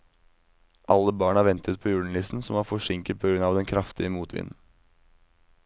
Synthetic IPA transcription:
ʔɑlːəbɑːɳæːɾʋɛnt̪ʰət̪̚pʰoːjuːɳ̩lɪsn̩sɔmæːɾfɔʂɪŋkəpʰoːɡɾʉnɑːʋd̪ɛnkʰɾɑft̪ɪəmuːt̪ʰʋɪ̰nn̩

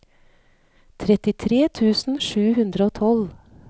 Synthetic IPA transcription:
t̪ʰɾɛt̪ɪt̪ʰɾeːt̪ʰʉːsn̩ʃʉːhʉnd̪ɾəoːt̪ʰɔl

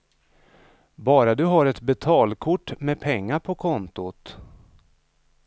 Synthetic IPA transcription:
bɑːɾad̪ɵɦaɾɛt̪bɛt̪ʰɑːlkʰʊʈːmɛpʰɛŋːaɾpʰɔkʰɔnt̪ʊt̪

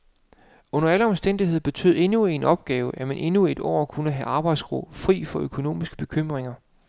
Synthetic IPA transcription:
ɔ̽nɐæləɒ̽msd̥en̰d̥iɦe̝ð̞̰ˠb̥e̝t͡sʰø̰ð̩̰ˠe̝nue̝nɒ̽b̥̚ɡ̥ɛːʊəjæmenʔe̝nue̝d̥ɒ̰ːkʰunəɦæʔɑ̈ːb̥ɑ̈ɪd̥sɡ̥ʁo̰bfʁḭːfɒ̽ʔøkʰo̝no̝̰ːmisɡ̥əb̥e̝kʰøm̰ʁeŋɐ

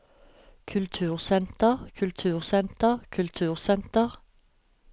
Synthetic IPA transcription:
kʰʉlt̪ʰʉːʁsɛnt̪əʁkʰʉlt̪ʰʉːʁsɛnt̪əʁkʰʉlt̪ʰʉːʁsɛnt̪əʁ

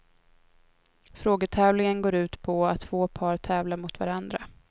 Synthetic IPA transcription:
fɾoːɡəʈ̪ʰɛːvlɪŋənɡoːɾʉ̟ːt̪pʰɔat̪ːv̥oːpʰɑːɾt̪ʰɛːvlaɾmʊt̪va̰ɾand̪ɾa

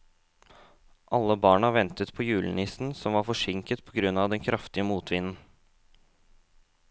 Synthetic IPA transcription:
ʔɑlːəbɑːɳɑʋɛnt̪ət̪pʰɔjʉːlənɪsn̩sɔmʋɑɾfɔʂɪŋkət̪pʰɔɡɾʉnːɑʋd̪ɛnkʰɾɑft̪ɪəmuːt̪ʰʋɪnn̩

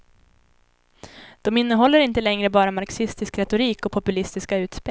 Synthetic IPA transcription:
d̪̥ɔmɪnːəɦɔlːəɾɪnt̪əlɛŋɾəbɑːɾamaɾksɪst̪ɪskɾɛt̪ʊɾiːkɔpʰɔpɵlɪst̪ɪskaʉ̟ːt̪spe

